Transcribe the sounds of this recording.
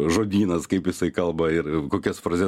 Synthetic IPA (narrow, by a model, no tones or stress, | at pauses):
ʒoːd̪ʲiːnɐskɐɪpjɪsɐɪkɐlˠbɐɪɾkoːkʲɛsfɾɐzʲɛ